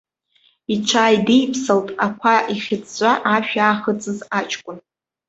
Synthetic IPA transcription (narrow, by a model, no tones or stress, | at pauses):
it͡ʃʷʰaːjdejpʰsaltʼakʷʰaʔiχʲɪt͡sʼt͡ɕʷʼaʔaʃᶣaːχət͡sʼɨzat͡ʃʰʼkʷʼʊn